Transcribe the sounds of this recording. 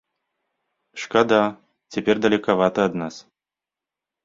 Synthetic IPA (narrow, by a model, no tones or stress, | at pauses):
ʂkad̪a | t͡sʲɛpʲɛrd̪ɐlʲikavat̪ɐɐd̪nas